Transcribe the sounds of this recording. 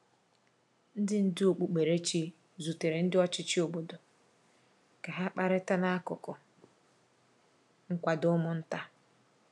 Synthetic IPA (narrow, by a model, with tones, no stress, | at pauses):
n̩˦dɪ˦n̩˦dɪ˦o˨k͡pu˨k͡pe˨ɾe˦t͡ʃi˦ | zu˨te˨ɾe˨n̩˦dɪ˦ɔ˦t͡ʃɪ˦t͡ʃɪ˦o˨bo˦do˨ | ka˨ɦa˦k͡pa˦ɾɪ˦ta˦na˦a˦kʊ̰˨kʊ˨ | ŋ̩˦kʷa˨dʊ˦mʊ˦n̩˦ta˦